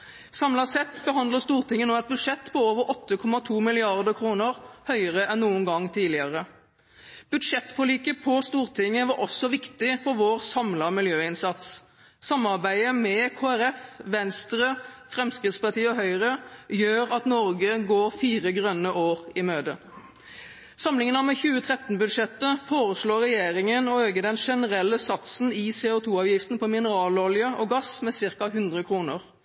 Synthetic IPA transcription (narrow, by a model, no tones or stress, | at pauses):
sɑmlɑsɛt̪ːbəɦɑnd̪ləst̪uːʁt̪ʰɪŋːənoːɑt̪̚bʉd̪ʂɛt̪ːpʰɔoːʋəɾʔɔt̪ːəkʰɔmɑt̪ʰuːmɪlɪɑʁd̪əkʰɾuːnəʁhœʏəʁəʔɛnnuːənɡɑŋːt̪ʰiːdlɪəʁə | b̥ʉd̪ʂɛt̪ːfɔliːkəpʰɔst̪uːʁt̪ʰɪŋːəʋɑɾʔɔsːɔʋɪkt̪ɪfɔɾʋoːʁsɑmlɑmɪljøːɪnsɑt̪sː | ɑmːɑʁbæɪəmɛkʰoːæɾɛfʋɛnst̪ɾəfʁɛmskʁɪt̪spɑʁt̪iːəɔɦœʏʁəjøːɾɑt̪nɔɾɡəɡoːɾfiːʁəɡʁœnːəʔoːʁɪmøːd̪ə | sɑmlɪŋənɑmɛçʉːət̪ʰʁɛt̪nbʉd̪ʂɛt̪ːəfoːʁəsloːʁɛjeːɾɪŋənɔhøːɡəd̪ɛnʂɛnəʁɛlːəsɑt̪sn̩ɪseːʊt̪ʰuːɑːʋjɪft̪n̩pʰɔmɪnəɾɑːlɔljəʔɔɡɑsmɛsɪʁkɑɦʉnd̪ʁəkʰʁuːnəʁ